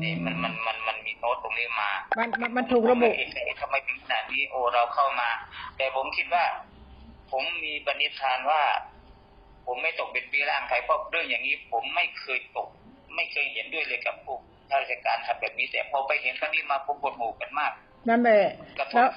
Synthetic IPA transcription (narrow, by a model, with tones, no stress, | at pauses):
ni˧˩ma˧˥˨nma˧˨nma˧nma˧nmiː˧˥t̪oː˧˥t̪o˨ŋniː˧˩˨maː˧ma˧˥n˧ma˧˨nt̪ʰuː˨˩k̚ɾa˧bu˧˨ʔʔe˧˩nkʰa˧˩˧t̪ʰa˧mːa˧˩˨jt̪ʰe˨˧˦ŋkʰa˧naː˨˩t̪̚niː˦˧˥ʔoː˧˩ɾa˧wkʰa˧˩wmaː˧t̪ɛː˧˩pʰo˨˦mkʰi˧t̪̚waː˧˥˩ | pʰo˨˦mːiː˧pa˧ni˧˥t̚t̪ʰaː˧nwaː˧˩ | pʰo˨˦mːa˥˩jt̪o˨˩k̚pe˨npiː˧˥laː˧˩ŋk̪ʰa˨˩jpʰɔ˧ɾɯ˧˩˨ŋjaː˨˩ŋːniː˧˥˨pʰo˨˦mːa˥˩jkʰɤː˧jt̪o˨˩k̚ | ma˥˩jkʰɤː˧jhe˨˦ndu˥˩əjlɤː˧jka˧˩p̚t̪ʰu˧˩k̚ | t̪ʰa˧˩˧t͡ɕa˧˩kaː˨nha˧˩p̚bɛː˨˩p̚niː˧˥˦t̪ɛː˨˩pʰɔ˧˦pa˧˨jɦe˨˦nkʰa˧niː˧˥˨maː˧pʰo˨˧˦mkʰo˧˦t̪̚huː˧˨˩ka˨nmaː˧˥˩k̚ | na˧˥˨nbɛ˧˩ka˧˩pʰɛː˦˥